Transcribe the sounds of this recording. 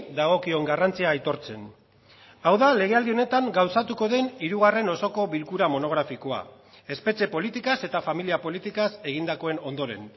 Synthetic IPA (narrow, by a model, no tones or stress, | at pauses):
d̪aɣ̞o̞kio̞ŋɡarant͡siaːjt̪o̞ɾt͡se̞n | awðale̞ɣ̞eald̪io̞ne̞t̪aŋɡawsat̪uko̞ðe̞niɾuɣ̞are̞no̞so̞ko̞βilkuɾamo̞no̞ɣ̞ɾafiko̞a̰ | e̞spe̞t͡ʃe̞po̞lit̪ikase̞t̪afamiliapo̞lit̪ikase̞ɣ̞ind̪ako̞eno̞nd̪o̞ɾe̞̰n